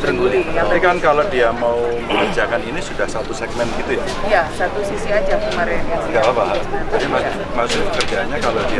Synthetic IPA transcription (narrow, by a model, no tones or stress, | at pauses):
bəɾəŋɡuliaikankalodiamaubələd͡ʒakaninisudahsat̪usɛɡ̚mɛnt̪̚ɡit̪uja | jasat̪usisiad͡ʒakəmaɾɛnjasəɡalabaɦaɾd͡ʒabima | masʊkkərɡaɲakalodi